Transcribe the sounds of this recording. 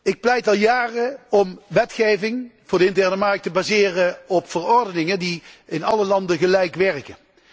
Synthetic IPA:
ɪk̚plɛjtɑlˠjaːrəɔmʋɛtχejvɪŋv̥ʊːɹdəɪntɛɹnəmɑɹk̚təbaːzɪːrəɔpfərɔɹdənɪŋəndiɪnɑləlɑndəɣəlɛjkʋɛrkə

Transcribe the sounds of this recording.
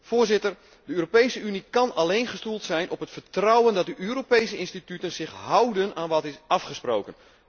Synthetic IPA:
foːɹzɪtər | dəøːɾopejsəynikɑnalejnχəstulˠtsɛjnʔɔpɦətfəɹtrɔwəndɑt̚dəʔøːɾopejsəɪnstitytənzɪχɦʌwdənaːnʋɑtɪsɑfχəspro̰ːwkən

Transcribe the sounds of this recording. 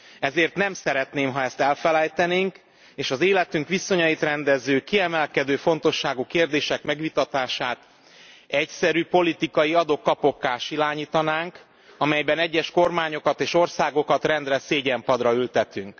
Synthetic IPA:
ɛzeːrt̪nɛmsɛɾɛt̪neːmɦɒɛst̪ɛlfɛlɛjt̪ɛneːŋk | eːʃɒzeːlɛt̪yŋkʋiso̞ɲɒjit̪rɛnd̪ɛzːøːkiɛmɛlkɛd̪øːfo̞nt̪o̞ʃːaːɡukeːrd̪eːʃɛkmɛɡʋit̪ɒt̪aːʃaːt̪ | ɛcsɛɾypo̞lit̪ikɒjiɒd̪okːɒpo̞kːaːʃilaːɲiːt̪ɒnaːŋk | ɒmɛjbɛnɛɟːɛʃko̞rmaːɲo̞kɒt̪eːʃo̞rsaːɡo̞kɒt̪rɛnd̪rɛseːɟɛmpɒd̪rɒylt̪ɛt̪yŋk

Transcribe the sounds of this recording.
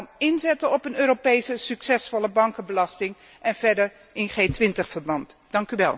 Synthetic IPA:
nɪnzɛtəɔpənøːɾopejsəsyksɛsfɔləbɑŋkənbəlɑstɪŋ | ʔɛnv̥ɛɹdəɹ | ɪnχeːtʋɪntəχfəɹbɑntd̥ɑŋkyʋɛ̰lˠ

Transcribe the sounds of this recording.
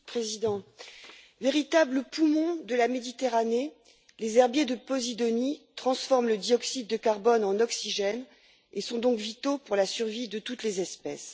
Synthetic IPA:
pχezid̪ɑ̃ | veʁit̪abləpumɔ̃d̪əlamed̪it̪eʁane | lezɛʁbjed̪əpɔzid̪ɔnit̪χɑ̃sfɔʁmləd̪iɔksid̪̚ːəkaʁbɔnɑ̃nɔksiʒɛn | esɔ̃d̪ɔ̃kvit̪opuʁlasyʁvid̪ət̪ut̪lezɛspɛs

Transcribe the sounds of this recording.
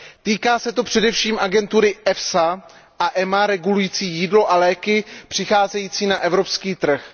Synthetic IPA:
t̪iːkaːsɛt̪o̞pr̝̥ɛdɛfʃiːmʔaɡɛnt̪uɾɪʔɛfsa | ʔaʔɛmaɾɛɡulujiːt͡siːjiːdlo̞ʔalɛːkɪpr̥ɪxaːzɛjiːt͡siːnaʔɛvɾo̞pskiːt̪r̩x

